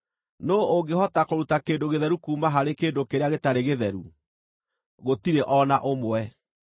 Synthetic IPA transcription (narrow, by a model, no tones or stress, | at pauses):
nooɡeɦɔtakoɾutakeːndoɣeðɛɾukuːmaɦaɾekeːndokeɾeaɣetaɾeɣeðɛɾu | ɣotiɾeʔɔnaʔomwɛ